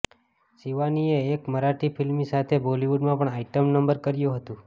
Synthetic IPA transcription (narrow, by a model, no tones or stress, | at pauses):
siʋanieːkməɾaʈipʰilmisat̪ʰeboliʋuɖmãpəɳaiʈəmnəmbəɾkəɾjũɦət̪ũ